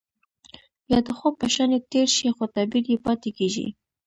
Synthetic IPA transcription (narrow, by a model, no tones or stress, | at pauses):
jɑd̪əxopəʃanet̪eɾʃixot̪abiljepɑt̪ekeʒḭ